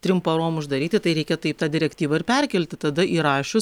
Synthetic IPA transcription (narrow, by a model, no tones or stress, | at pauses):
t̪ʲɾʲɪmpɐɾoːmʊʒd̪ɐɾʲiːt̪ʲɪt̪ɐɪɾʲɛɪkʲɛt̪ɐɪp̚t̪ɑːd̪ʲɪɾʲɛkt̪ʲiːʋɐɪrpʲɛɾʲkʲɛlʲt̪ʲɪt̪ɐd̪ɐʔiːɾɑːʃʲʊs